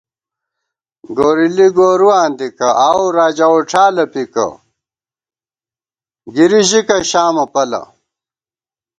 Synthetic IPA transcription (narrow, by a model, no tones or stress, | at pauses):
ɡoːɾiliɡoːɾuwaːnd̪ikɐʔawɾaːd͡ʑaoʈ͡ʂʰaːlɐpikɐ̰ | ɡiɾiʑikɐɕaːmɐpɐlɐ̰